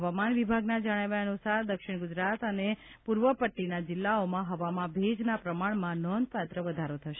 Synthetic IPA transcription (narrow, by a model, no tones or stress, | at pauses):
ɦəʋamanʋibʱaɡnad͡ʒəɽ̃aʋaənusaɾd̪əkʃɪɳ̃ɡʊd͡ʒɾat̪əne | puɾʋəpəʈːinad͡ʒɪlːaomãɦəʋamãbʱed͡ʒnapɾəmaɳmãnɔnd̪̚pat̪ɾəʋəd̪ʱaɾot̪ʰəʃe